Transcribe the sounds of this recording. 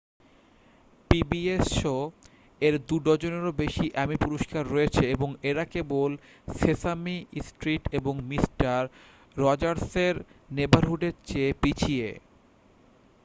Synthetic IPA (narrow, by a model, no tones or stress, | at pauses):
pibieso | eɾd̪uɖɔd͡ʑoneɾobeʃiʔɛmipuɾoʃkaɾːɔet͡ɕʰeeboŋeɾakebol | sesamisʈɾiʈeboŋmisʈaɾː | ɔd͡ʑaɾseɾnebaɾɦuɖeɾt͡ɕepit͡ɕʰie